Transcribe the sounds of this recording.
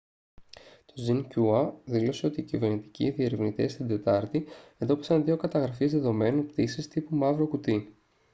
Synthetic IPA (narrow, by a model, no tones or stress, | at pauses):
t̪o̞zincuɐðilo̞se̞o̞t̪iːcive̞ɾnit̪i̥cḭðiɐɾivnit̪e̞st̪id̪e̞t̪ɐɾt̪ie̞nd̪o̞pisɐnðio̞kɐt̪ɐɣɾɐfizðeðo̞me̞nonpt̪isist̪ipumɐvɾo̞kut̪i